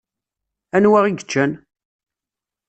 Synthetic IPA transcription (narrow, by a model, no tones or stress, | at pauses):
ænwaʁiɡət͡ʃːæn